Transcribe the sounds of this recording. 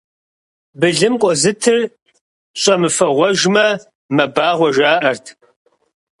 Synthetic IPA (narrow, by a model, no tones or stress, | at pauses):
bɨɮɨmkʷʼɔzɨtʰɨr | ɕʼɐmɨfɐʁʷɔʒmɐ | mɐbaːʁʷɔʒaːʔɐrtʰ